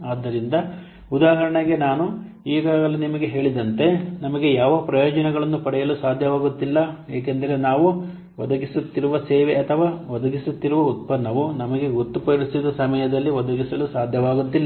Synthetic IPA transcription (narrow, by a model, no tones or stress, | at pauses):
aːd̪ːɐɾind̪ɐ | ud̪aːɦɐɾɐɳɐɡe̞naːnu | iːɡaːɡɐlunimɐɡe̞ɦe̞ːɭid̪ɐnt̪e̞nɐmɐɡe̞jaːʋɐpɾɐjoːd͡ʒɐnɛɡɐɭɐnːupɐɽɛjɐlusaːd̪ʱjɐʋaːɡut̪ːilːɐeːk̬end̪ɐɾe̞naːʋu | ʋɐd̪ɐɡisut̪ːiɾuʋɐseːʋeɐt̪ʰɐʋaːʋɐd̪ɐɡisut̪ːiɾuʋɐut̪̚pɐnːɐʋunɐmɐɡe̞ɡot̪ːupɐɾisid̪ɐsɐmɐjɐd̪ɐlːiʋɐd̪ɐɡisɐlusaːd̪ʱjɐʋaːɡut̪ːilːɐ